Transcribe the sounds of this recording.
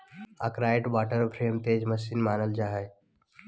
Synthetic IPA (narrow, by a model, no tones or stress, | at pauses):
a̰kɾaːeʈbaːʈəɾpʰɾemt̪eːd͡ʒməsinmaːnəld͡ʒaɦəj